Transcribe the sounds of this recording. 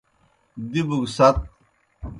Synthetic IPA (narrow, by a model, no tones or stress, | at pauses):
d̪ibuɡsɐt̪̚